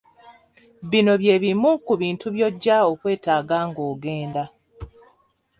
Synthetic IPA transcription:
βino̞βje̞ːβimukuβiːntuβjo̞ɟːaokwe̞ːtaːɡaːŋɡoːɡe̞ːnda

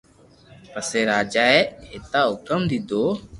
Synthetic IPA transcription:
pəseːɾaːd͡ʒaːeʔet̪aːɦʊkəmd̪id̪oː

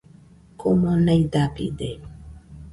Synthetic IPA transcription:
komonajd̪apḭd̪e

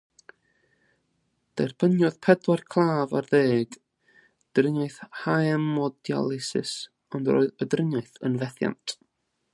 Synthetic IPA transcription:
d̥ɛrb̥ənjʊðpʰɛdwɔrkʰlˠaːvarðeːɡ | d̥rənɔjθhajɛmɔdja̰lˠɪsɪ̰s | ɔndro̰ːɨðədrənɔɨθənvɛθja̰ntʰ

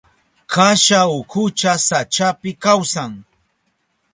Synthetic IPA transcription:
kaʃaʊkʰʊt͡ʃasat͡ʃapɪkawsaŋ

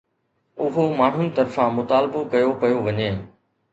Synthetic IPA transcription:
ʊɦomaːɳ̤ʊnĭt̪ɐɾfãmʊt̪aːlbokɐjokɐjoʋɐɲeː

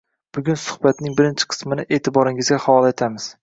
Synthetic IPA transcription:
b̥ʊɡʲʊnsʊ̥hbat̪nɪŋbɪɾɪnt͡ʃʰɪ̥qʰɨ̥smɪnɪʔe̞ːt̪ʰɪbɒɾɪŋɪzɡʲahavɒlˠet̪ʰamɪz̥

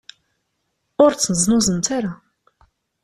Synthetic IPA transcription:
ʊɾt͡sːənzˤnʊzˤənt̪aɾa

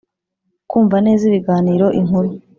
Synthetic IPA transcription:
kuːɱvane̞ːziβiɡaːniːɾo̞ʔiŋ̥huɾu

